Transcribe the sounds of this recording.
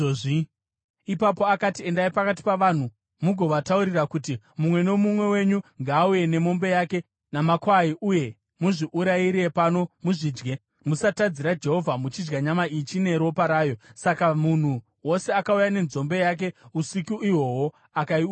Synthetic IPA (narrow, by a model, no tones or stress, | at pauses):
ipapoakatie̞ndaipakat̬i̥paʋan̤u | muɡʱo̞ʋatauɾirakuti | mumwe̞no̞mumwe̞we̞ɲuŋɡaːuje̞ne̞mo̞mbe̞jake̞ | namakwaiʔuje̞ | muʐiʔuɾaiɾiepano̞muʐiːd͡ʒɡe̞ | musatad͡ziɾad͡ʒe̞ɦo̞vʱamut͡ʃid͡ʒɡaɲamait͡ʃine̞ɾo̞paɾaːjo̞sakamun̤u | wo̞se̞akaujane̞nzo̞mbe̞jak̬e̞usikuʔiwo̞wo | akai